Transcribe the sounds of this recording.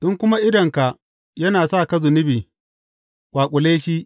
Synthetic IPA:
ɗʊ˦ŋkʷʊ˦ma˦ʔɪ˦dɐ˨ŋka˨ʔ | jɐ˦naː˨saː˦˨kɐ˦zʊ˨nɪ˦biː˨ | kʷaː˨kʷʼʊ˨leː˦ʃi˦ʔ

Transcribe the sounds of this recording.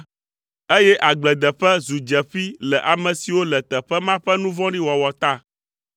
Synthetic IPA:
e˦jɛ˦ʔa˨ɡ͡blɛ˨d̪ɛ˨ɸɛ˦zu˨d͡ʒɛ˨ɸi˦lɛ˨ʔa˨mɛ̃˨si˨wo˦lɛ˨t̪ɛ˨ɸɛ˦mã˦ɸɛ˦nũ˦vɔ̃˦ɖĩ˦wɔ˨wɔ˨t̪a˦˨

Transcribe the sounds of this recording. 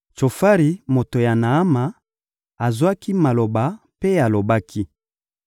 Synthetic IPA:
t͡ʃo˨fa˦ʁi˨mo˨to˨ja˨na˨a˦ma˨ | a˨zwa˦ki˦ma˨lo˨ba˨ | pe˦a˨lo˨ba˦kʰi˦

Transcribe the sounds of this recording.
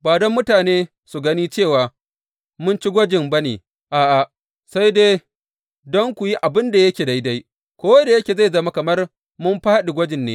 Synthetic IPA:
baː˨dɔ˦mːʊ˦taː˨neː˦ | su˨ɡɐ˦niː˦t͡ʃeː˦˨waː˨ | mʊ˦nt͡ʃi˦ɡʷɐ˦d͡ʒɪ˨mbɐ˦nḛː˨ | ʔaː˨ʔa˨ʔ | sa˦jdeː˦ | dɔ˦ŋkʷu˨ji˦ʔa˨bɪ˦nda˨jɐ˦kʲeː˨da˦jda˦j | kʷoː˦wda˨jɐ˦kʲeː˨za˦˨jzɐ˦ma˦kɐ˨mɐ˦r | mʊ˦mɸa˦ɗi˨ɡʷɐ˦d͡ʒɪ˨nːḛː˦

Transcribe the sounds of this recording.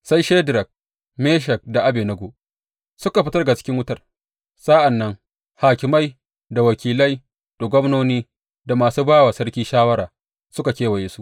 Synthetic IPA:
sa˦jʃe˦dɾɐ˨k̚ | meː˦ʃ̬ɛ˨k̚da˨ʔa˦beː˨nɐ˦ɡo˨ | sʊ˦ka˨ɸɪ˦tɐ˦rɡa˨t͡ʃɪ̥˦kʲɪ˦ŋwʊ˦tɐ˨r | sa˦ʔa˨nːɐ˦ŋ | haː˨kʲɪ˨ma˦j | da˨wɐ˨kʲiː˨lɐ˦j | d̥o˨ɡʷɔ˦mnoː˦niː˦ | da˨maː˨suː˦baː˦waː˨sɐ˦rkʲiː˦ʃaː˦wɐ˦ɾaː˨ | sʊ˦ka˨kʲeː˦wɐ˨jeː˦su˦ʔ

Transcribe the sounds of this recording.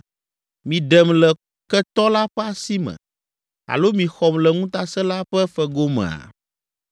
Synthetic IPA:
mĩ˨ɖɛ˨mlɛ˨ | kɛ˦t̪ɔ˦la˦ɸɛ˦a˨si˦mɛ̰̃˨ | a̰˨lo˦mĩ˨xɔ˨mlɛ˨ŋũ˦t̪a˦sɛ˦la˦ɸɛ˦fɛ˨ɡo˦mɛ̰̃˨a̰˨

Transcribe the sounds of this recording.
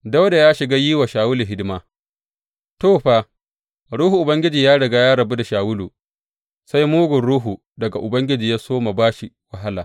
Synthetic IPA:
da˦wda˨jaː˦ʃɪ˨ɡa˦jiː˦wa˨ʃaː˨wʊ˦lu˨ɦɪ˦dɪ˦ma˦ | toː˦˨ɸaː˦ | ɽuː˦hu˨ʔʊ˨bɐ˦ŋɡʲɪ˦d͡ʒiː˨jaː˦ɽɐ˨ɡa˦jaː˦ɽɐ˨bu˦da˨ʃaː˨wʊ˦luː˨ | sa˦jmuː˦ɡʷʊ˨nɽuː˦ɦu˨ | dɐ˨ɡa˨ʔʊ˨bɐ˦ŋɡʲɪ˦d͡ʒiː˨jaː˦soː˦ma˨baː˦ʃi˨ | wɐ˨ɦa˦laː˨

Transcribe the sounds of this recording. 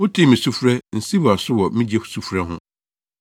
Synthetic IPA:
ʊ˦tʰɪ˦˨mĩ˨su˦fɾɛ˦n̩˨si˦wa˨sʊ˦wɔ˨mĩ˦d͡ʑi˦ɛ̥˦˨su˦fɾɛ˦ɦʊ̰̃˦

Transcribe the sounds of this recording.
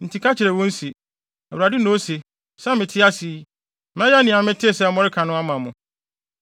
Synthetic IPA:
n̩˨tʰi˨kʰa˦t͡ɕʰɪ˨ɾɛ˨wɔ̃˦n̩˦si˨ | ɛ˨wa˨dɪ˦nõ˦se˨ | sã˦mɪ̃˨tʰɪ˦a˦si˨˦ | m˦ɛ̃˦ja˦nĩ˨a˨mɪ̃˦tʰɪ˦˨sɛ˦˨˦mɔ˦ɾɪ˦kʰã˨nʊ̃˦a˦mã˨mʊ̃˨

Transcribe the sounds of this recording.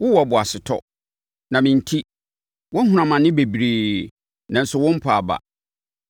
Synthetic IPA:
wʊ˦wɔ˨bʊ˨a˨sɪ˨tʰɔ̰˦ | nã˨mɪ̃˨n̩˨tʰi˦ | wɔ̃˦n̩˦ɦʊ˨˦ã˨mã˨nɪ̃˦be˨bɾeː˨ | nã˨n̩˦sʊ˨wɔ̃˦m̩˦pʰa˨ba̰˨

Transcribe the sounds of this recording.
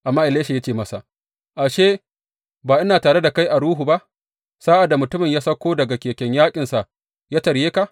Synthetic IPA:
ʔa˨mːaː˦ʔɪ˨leː˦ʃe˨ja˦t͡ʃeː˦˨mɐ˦sa˨ʔ | ʔa˨ʃeː˦ | baː˨ʔɪ˦naː˨taː˨ɽe˦da˨ka˦jʔa˨ɽuː˦ɦu˨ba˦ʔ | saː˦ʔa˨da˨mʊ˨tʊ˦mɪ˨ɲjaː˦sɐ˦kʷːoː˦dɐ˨ɡa˨kʲeː˨kʲɛ˦ɲjaː˦kʲʼɪ˨nsa˨ʔ | jaː˦tɐ˨ɾjeː˦ka˨ʔ

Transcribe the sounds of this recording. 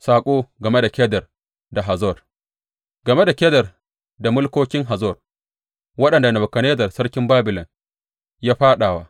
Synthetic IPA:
saː˨kʷʼoː˦ɡɐ˨me˦da˨kʲɛː˦dɐ˨r | da˨ɦa˨zɔ˦˨r | ɡɐ˨me˦da˨kʲɛ˦dɐ˨r | da˨mʊ˦lkʷoː˦kʲɪ˦ŋɦa˨zɔ˦˨r | wɐ˦ɗɐ˨nda˨nɐ˨bɐ˨kɐ˨neː˦dɐ˨rsɐ˦ɽkʲɪ˦mbaː˦bɪ˨lɔ˨n | jaː˦ɸaː˦ɗaː˨waː˦ʔ

